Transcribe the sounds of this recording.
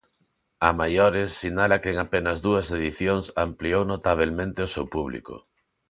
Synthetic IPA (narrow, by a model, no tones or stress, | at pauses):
ɐmajoɾesːinalɐkeŋapenɐzðuɐseðiθjoŋsampliownot̪aβ̞elmẽnt̪ɪosewpuβlḭkʊ̰